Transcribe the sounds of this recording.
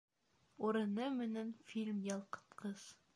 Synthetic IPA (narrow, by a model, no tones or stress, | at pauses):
uɾɤ̆nɤmɘ̆nænfilʲmjɑlˠqɤ̥̆t̪qʰɤz̥